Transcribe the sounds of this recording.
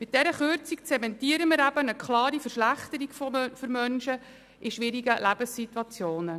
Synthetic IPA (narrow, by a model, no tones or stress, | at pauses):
mɪt̚d̥ɛɾəχøɾt͡sikt͡sɛmɛntiəɾəmɪɾæbənəkχlɑːɾifərʃlæχt̪əɾikfføɾmœnʃə | ɪʃʋɪɾiɡəlæb̥əsːit̪wɑt͡sjoːnə